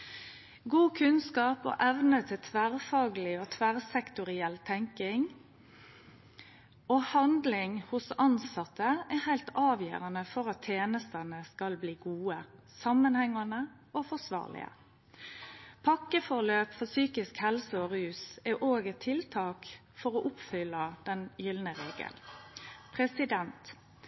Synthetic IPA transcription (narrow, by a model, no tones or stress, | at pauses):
ɡuːkʰʉnskɑːpo̰ːʔɛʋnət̪ʰɪt̪ʰʋæɾfɑːɡəlɪoːt̪ʰʋæɾsɛkt̪ʊɾɪɛlːt̪ʰɛŋkɪŋ | oːhɑnd̪lɪŋhʊsɑnsɑt̪ːəæhæɪlt̪ɑːʋjø̰ːʁɑnəfɔɾɑt̪ʰːjeːnəst̪ənəskɑlbliːɡuːə | sɑmːənhɛŋːɑnə | ʔofɔsʋɑ̰ːʁlɪ̰ə̰ | pʰɑkːəfɔʁløːpfɔsyːkɪskhɛlsəɔɾʉːsɛʔoːɡət̪ʰːɪlt̪ʰɑːk | fɔɾoʔʊpfʏlːəd̪̥ɛnjʏlnəɾeːɡə̰lpʰɾɛsɪd̪ɛnt̪